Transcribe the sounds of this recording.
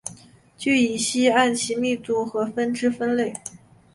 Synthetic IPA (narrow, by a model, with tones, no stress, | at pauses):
t͡ɕy˥˩i˨˩ɕi˥a˥˩nɕʰi˧˥mi˥˧t͡su˥˩xɤ˧˥fə˥nʈ͡ʂɻ̩˥fə˥nle˥˩ɪ